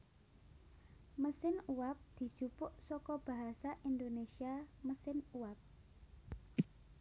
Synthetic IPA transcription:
məsɪnuwap̚d̪̥i̤supʊʔsɔkɔb̥ä̤ɦasaʔind̪onesiaməsɪnuwap̚

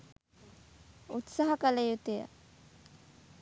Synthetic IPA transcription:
ut̪saɦɐkələjut̪ejə̰

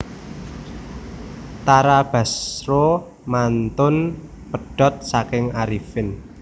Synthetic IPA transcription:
t̪aɾab̥ä̤sro | mant̪ʊn | pəɖ̥ɔ̤t̪̚sakɪŋaɾifɪn

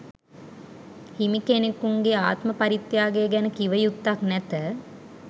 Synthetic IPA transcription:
himikenekuŋɡeaːt̪məpaɾit̪jaːɡeɡɛnəkiʋəjut̪ːaknæt̪ə

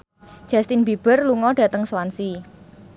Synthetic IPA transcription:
d̥ʒ̥a̤st̪inbib̥ərluŋɔɖ̥ä̤t̪əŋswansi

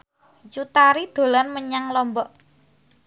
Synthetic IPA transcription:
d͡ʒut̪aɾid̪̥o̤lanməɲaŋlɔmbɔʔ

